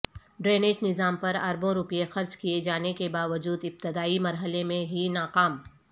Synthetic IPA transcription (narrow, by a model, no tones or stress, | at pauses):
ɖɾeːneːd͡ʒnɪzaːmpɐɾɐ̰ɾbõɾʊpijexɐɾd͡ʒkijed͡ʒaːnekebaːʋəd͡ʒuːd̪ɪb̚t̪ɪd̪aːimɐɾɦəlemẽɦinaːqaːm